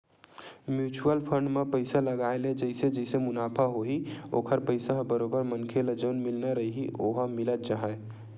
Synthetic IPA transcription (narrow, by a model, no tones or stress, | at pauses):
mjuːt͡ʃuəlpʰə̃ɳɖmepəɪsaləɡaːeled͡ʒəɪsed͡ʒəsemʊnaːpʰaɦoio̰ːkʰəɾpəɪsaɦbəɾoːbəɾmənkʰeləd͡ʒəʊnmɪlnaɾəɦiɦiʔoɦamɪlət̪̚t͡ʃaːɦɛe